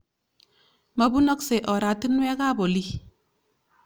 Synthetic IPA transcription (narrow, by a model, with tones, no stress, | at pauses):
mɐ˨bu˦nɔ˦kse˨ʔɔ˨ɾa˨ti˦nwɛ˦ka˦bo˨li˦